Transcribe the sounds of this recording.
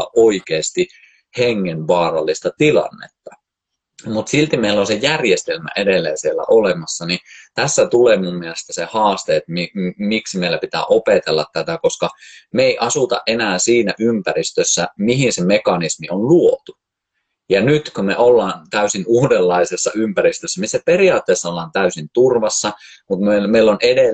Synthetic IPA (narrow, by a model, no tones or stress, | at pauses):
ʔoikeːst̪i | heŋːenʋɑːrɑlːist̪ɑt̪ilɑ̰nːḛt̪ːɑ | mut̪silt̪imeilːˑonsejærjest̪elmæ̰ʔedelːæjæsielːæ̰ʔolemɑsːɑnit̪æsːæt̪uleːmumːielest̪æsehɑːst̪eːt̪mimiksimeilæpit̪æ̰ːʔopet̪elːɑ̰t̪t̪æt̪ækoskɑmeeiʔɑsut̪ɑ̰ʔʔenæːsiːnæʔympærist̪øsːæmihinsemekɑnismionluot̪u | jɑnyt̪komeʔolːɑːnt̪æysinuːdelːɑisesːɑympæɾist̪øsːæmisːæperiɑːt̪ːeːsːɑolːɑːnt̪æysint̪urʋɑsːɑ | mut̪mmeilːonede